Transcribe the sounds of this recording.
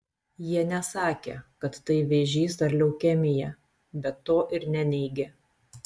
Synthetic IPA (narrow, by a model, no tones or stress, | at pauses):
jiɛnʲɛsɑːkʲḛːkɐt̪ːɐɪʋʲeʒʲiːsd̪ɐɾʲlʲɛʊkʲɛmʲɪjɛ | bʲɛt̪ːoːʔɪɾnʲɛnʲɛɪɡʲeː